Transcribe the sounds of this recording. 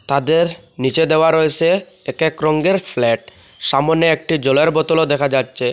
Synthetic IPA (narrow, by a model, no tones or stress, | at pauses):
t̪ad̪eɾnit͡ɕed̪eoaɾoet͡ɕʰe | ekekɾɔŋɡeɾflɛʈ̚ | ʃamoneek̚ʈid͡ʑɔleɾbɔt̪olod̪ɛkʰad͡ʑatːɕʰe